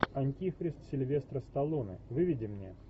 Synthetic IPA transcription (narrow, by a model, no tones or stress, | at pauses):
ɐnʲtʲifɾʲɪst̪sʲɪlʲvʲe̞st̪ɾəst̪ɐlˠonɨ̰vɨvʲɪdʲɪmnʲḛ